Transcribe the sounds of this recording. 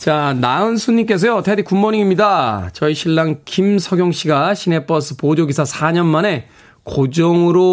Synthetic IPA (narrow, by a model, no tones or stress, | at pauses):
t͡ɕanaɯnsʰuɲːik͈e̞s̬ʰʌjotʰedikumːoɲiŋimɲidat͡ɕʌiɕʰiɭːaŋkimsʰʌɡjoŋɕ͈ʰiɡaɕʰine̞p͈ʌs͈ʰɯpod͡ʑjoɡisʰasʰaɲʌnmane̞ | kod͡ʑʌŋɯɾo